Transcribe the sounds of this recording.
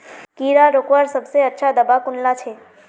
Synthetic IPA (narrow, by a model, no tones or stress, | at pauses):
kiːɾaɾokwəɾsɐbseɐtːʃʰad̪ɐbakʊnlat͡ʃʰeː